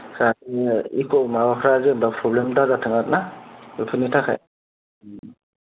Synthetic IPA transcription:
katiḭkʰɔmawakʰɾazembapʰɾɔblemdazatʰɯŋat̚naɯpʰɯnitʰakʰa̰j

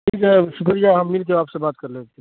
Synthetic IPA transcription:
ikesukəɾijaɦəmːilt̪eoaːpsebat̪̚kəɾlet̪ʰi

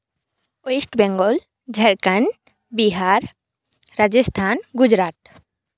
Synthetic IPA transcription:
oesʈbɛŋɡɔl | d͡ʒʱɛɾkan | biɦaɾ | ɾad͡ʒest̪ʰanɡud͡ʒɾat̚

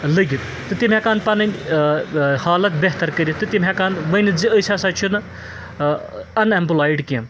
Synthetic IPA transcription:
ləɡit̪ | t̪ɨt̪imʲɦãkaːnpɐnɐnʲ | haːlɐt̪̚bʲeɦt̪ɐɾkəɾʲit̪ɨt̪imʲɦãkaːnʋɐnid͡ziəjsaːsaːt͡ʃʰunɨ | ɐnempulaːjɖkim

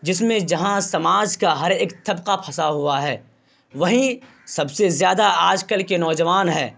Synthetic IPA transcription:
d͡ʒɪsmẽd͡ʒɐɦãsɐmaːd͡ʒkaɦɐɾeːkt̪ʰɐbqapʰɐsaɦuaɦɛː | ʋɐɦĩ | sɐbsezjaːd̪aaːd͡ʒkəlkenɔːd͡ʒɐʋaːnɦɛː

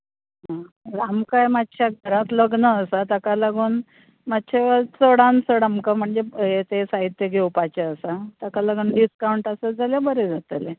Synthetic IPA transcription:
ɦã | ɾamkajmat̪t͡ɕʰjaɡʱəɾat̪ləɡnəːsat̪akalaɡuːn | mat̪ːt͡ɕʰeʋət͡səɽansəɽamkam̤əɳd͡zejet̪esaɦit̪ːjəɡʱewpat͡ɕeəsat̪akalaɡuːnɖiskawuɳʈasəd͡zʱalabəɾed͡zʱat̪ele

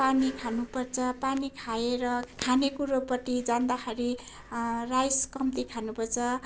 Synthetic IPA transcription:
panikʰanupʌrt͡sʰʌpanikʰajeɾʌkʰanekuɾopʌʈ̪id͡zand̪axʌɾi | rajskʌmt̪ikʰanupʌrt͡sʰʌ

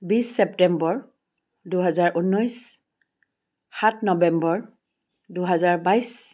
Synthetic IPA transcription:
bisːɛp̚tɛmbɔɹ | duɦazaɹʔunːɔjs | xatʰnɔbɛmbɔɹ | duɦazaɹbajs

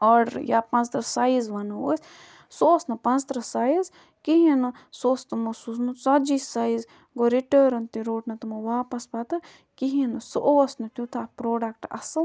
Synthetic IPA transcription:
ɔɖɾjapɐ̃nt͡st̪ɾɐsaːizʋɐnɐo̰ːs | sosnɐpɐnt͡st̪ɾɐsaːjiz | kiɦinɨ | soːst̪ɨmɐsusnut͡sɐd͡ʒisaːiz | ɡoɾiʈəːɾɐnt̪iɾoːʈnɐt̪umɐʋaːpɐsbat̪ɨ | kiɦinɨsoʔʋɐsnɐt̪ʲut̪ʰaːpɾoːɖɐkʈɐ̰sɨl

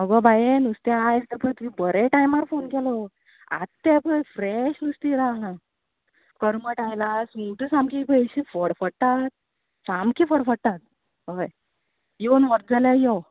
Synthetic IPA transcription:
məɡɔbajenust̪jãajst̪əɾpʰəjt̪umĩbəɾeʈajmaɾfonkɛlɔ | a̰tt̪ːɛpʰəjfɾɛɕnust̪iɾaɦã | kəɾməʈajlasuʈəsamkipəɕifəɽfəɽt̪at̪̚ | samkʰifəɽfəɽt̪at̪̚ | ɦəj | jonʋɔɾ̚d͡zaljajɔ

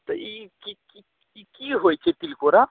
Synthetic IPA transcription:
t̪ɔikiki | ikiɦojt͡ʃʰet̪ilkoɾa

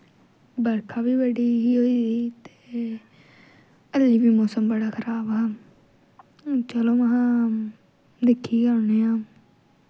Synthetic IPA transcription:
bəɾkʰaːbiːbəɖiːɦiːɦoːiːiːt̪eː | əlːiːbiːmoːsəmbəɽaːkʰəɾaːbaː | t͡ʃəloːməɦãː | d̪ɪkʰːiːkəɾneːãː

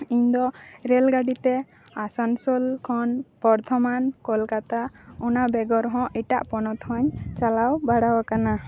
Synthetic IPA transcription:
iɲd̪ɔɾɛlɡaɖit̪ɛ | asansɔlkʰɔnpɔɾt̪ʰɔmankɔlkat̪aɔnabɛɡɔɾɦɔ̃ʔiʈa̰ʔpɔnɔt̪hɔ̃ɲt͡ʃalawbaɽawakana

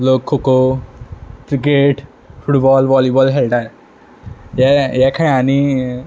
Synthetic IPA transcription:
lokʰːoko | ʈɾikeʈ | fuʈbɔlʋɔljibɔlɦɛlʈae | jɛjɛkʰanani

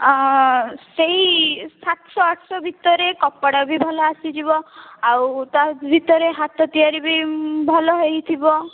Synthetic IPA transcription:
seɦisat̪sɔaʈʰsɔbʱit̪ɔɾekɔpːaɽabʱibʱɔlɔasid͡ʒiβɔawt̪abʱit̪ɔɾeɦat̪ɔt̪ijaɾibibʱɔlɔɦejt̪ʰibɔ

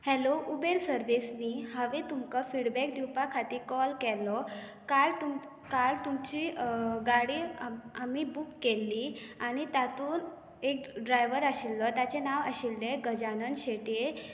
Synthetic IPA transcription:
hɛloʔubeɾsəɾʋisniːɦəʋet̪umkəfiɽbɛk̚d̪iwpakʰat̪iːɾkɔlkɛlɔ | kalt̪u | kalt̪umt͡ɕiːɡaɽiːamibuːkːelːiːaɽ̃it̪jat̪uːn | ek̚ɖɾajʋəɾaɕilːɔt̪jat͡ɕenaʋə̰ɕilːeɡəd͡ʑanənɕeʈie

